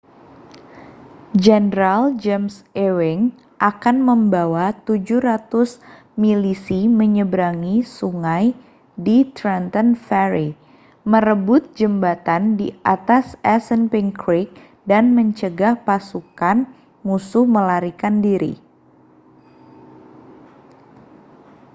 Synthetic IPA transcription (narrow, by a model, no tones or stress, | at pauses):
d͡ʒɛnəɾald͡ʒɛmsɛwɪŋ | ʔakanməmbawat̪ud͡ʒuhɾat̪ʊs | milisiməɲəbɾaŋisuŋaj | dit̪ɾɛnt̪ənfɛɾi | məɾəbʊt̪̚d͡ʒəmbat̪andḭat̪asɛsənpɪŋkɾik̚ | danməɲt͡ʃəɡahpasukan | musʊhməlaɾikandiɾḭ